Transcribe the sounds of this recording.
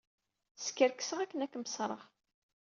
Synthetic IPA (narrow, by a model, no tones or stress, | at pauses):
skəɾkə̥səʁækːənækːməsˤɾˤəʁ